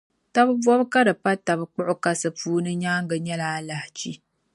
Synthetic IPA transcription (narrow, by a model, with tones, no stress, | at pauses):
ta˦bɨ˦bwɔ˦bka˦dɨ˨pa˦ta˨bɨ˦k͡pʊ˦ʔʊ˦ka˦sɨ˨puː˦nɨ˦ɲaː˦ŋɡɨ˨ɲɛ˦laː˦la˨ht͡ʃi˦